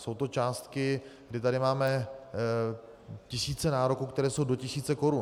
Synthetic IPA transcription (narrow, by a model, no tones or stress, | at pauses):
so̞wt̪o̞t͡ʃaːst̪kɪɡdɪt̪aɾɪmaːmɛ | cɪsiːt͡sɛnaːɾo̞kuːkt̪ɛɾɛːso̞wdo̞cɪsiːt͡sɛko̞ɾun